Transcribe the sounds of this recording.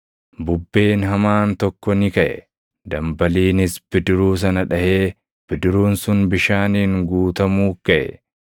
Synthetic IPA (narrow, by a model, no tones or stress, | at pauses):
bʊbːe̞ːnɦɐmaːnt̪ɔkːɔnɪkɐʔɛ̰ | d̪ɐmbɐliːnɪsb̥ɪd̪ɪɾuːs̬ɐnɐᶑɐheː | b̥ɪd̪ɪɾuːnsʊnbɪʃaːniːŋɡuːt̪ɐmuːkɐʔɛ̰